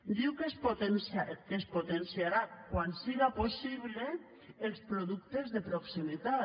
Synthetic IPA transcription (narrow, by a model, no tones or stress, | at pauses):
d̪iwkespot̪ensakespot̪ensjaɾakwansiɣaposiβleː | lˠspɾoðukt̪ezðepɾoksimit̪a